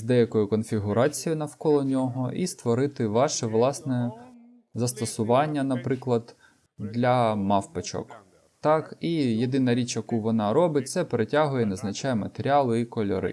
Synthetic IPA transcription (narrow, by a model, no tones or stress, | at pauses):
zd̪ɛjɐkɔjʊkɔnfʲiɦʊɾɑt͡sʲijʊnɐwkɔlˠɔnʲɔɦɔʔist̪ʋɔɾɪt̪ɪʋɑʃɛʋlˠɑsnɛ | zɐst̪ɐsʊʋɑnʲːɐnɐpɾɪklˠɐd̪ | d̪lʲɐmɑfpet͡ʃɔ̰k | t̪ɑkijed̪ɪnɐɾʲit͡ʃjɐkuʋɔnɑɾɔbɪt̚ʲt̪sɛpeɾetʲɑɦʊjɛnɐznɐt͡ʃɑjɛmɐt̪eɾʲɪɑlˠʊikɔlʲɔ̰ɾɪ̰